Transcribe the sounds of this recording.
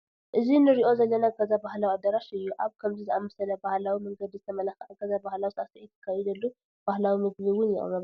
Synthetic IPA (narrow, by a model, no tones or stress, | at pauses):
ʔɨzinɨɾiʔo̞zɐlːɐnaɡazabahlawiad̪ɐɾaʃɨjːuʔaβkʰɐmzizɨʔamɐsɐlɐbahlawimɐŋɡɐd̪zɨt̪ʰɐmɐlaxʔɐɡazabahlawisʔast̪ʰɐʔjɪt̪ʰːɐ̥kʰːajɛd̪ɐlːu | b̥ahlawimɨɡβɨwʊnjɪχʼɨ̰ɾɐβ